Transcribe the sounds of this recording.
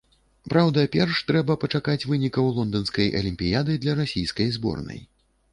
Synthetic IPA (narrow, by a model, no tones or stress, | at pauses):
pɾawd̪ɐpʲɛrʂt̪ɾɛbɐpɐt͡ʂakat͡sʲvɨnʲikɐwlˠɔnd̪ɐnskɐjʔɐ̰lʲimʲpʲijad̪ɨd̪lʲɐɾasʲijskɐjzbɔ̰rnɐ̰j